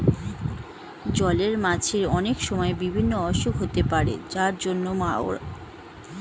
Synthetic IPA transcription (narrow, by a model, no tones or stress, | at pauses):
d͡ʑɔleɾmad͡ʑʰeɾɔnekʃɔmɔebibʱinːoɔʃubɦot̪epaɾḛd͡ʑaɾd͡ʑonːomao̰ɾa̰